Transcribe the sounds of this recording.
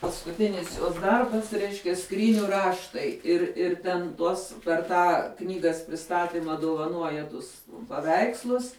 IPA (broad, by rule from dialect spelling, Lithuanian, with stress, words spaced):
pɐskʊˈtʲɪnʲɪs joːs ˈdɐrbɐs ˈrʲɛɪʃʲkʲɛ ˈskrʲiːnʲʊ ˈrɑːʃtɐɪ ɪr ɪr ˈtʲɛn ˈtuɔs pʲɛr ˈtɑː ˈknʲiːɡɐs pʲrʲɪˈstɑːtʲɪmɐ dʊʋɐˈnuɔjɛ ˈtʊs pɐˈʋʲɛɪkslˠʊs